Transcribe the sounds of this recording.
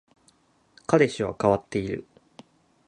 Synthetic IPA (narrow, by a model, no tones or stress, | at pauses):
kad̪e̞ɕiβa̰kaβat̪ːe̞iɾɯ̟̰